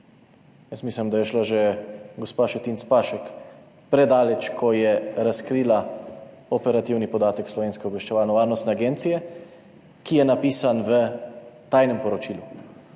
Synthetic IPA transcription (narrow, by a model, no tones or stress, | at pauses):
jəsmiːslimd̪ajɛʃlaʒɛɡospaːʃɔt̪int̪spaʃɛk | pɾɛd̪aːlɛt͡ʃkʰɔjɛɾaskɾiːla | ɔpɛɾat̪iwnipɔd̪aːt̪ɛkslɔʋeːnskɛobʋɛʃt͡ʃɛʋaːlnɔʋaːɾnɔst̪nɛaɡent̪sijɛ | kijɛnapiːsanʋət̪ajnɛmpɔɾɔt͡ʃiːlu